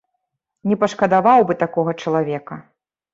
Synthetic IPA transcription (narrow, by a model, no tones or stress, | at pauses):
nʲɛpɐʂkɐd̪avawbɨt̪akɔɣɐt͡ʂɐlˠavʲɛkɐ